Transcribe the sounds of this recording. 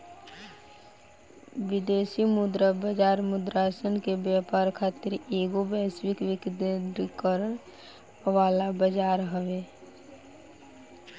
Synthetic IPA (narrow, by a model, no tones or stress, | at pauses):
ʋɪd̪eːsimʊd̪ɾabəd͡ʒaːɾmʊd̪ɾaːsənkebjaːpaːɾkʰaːt̪ɪɾeːɡobɛːswɪkʋɪkd̪ɾkəɾən | ʋaːlabəd͡ʒaːɾɦəʋeː